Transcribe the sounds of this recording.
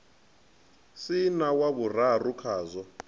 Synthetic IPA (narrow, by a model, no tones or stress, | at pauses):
sinawaβur̤arukʰaːzɔ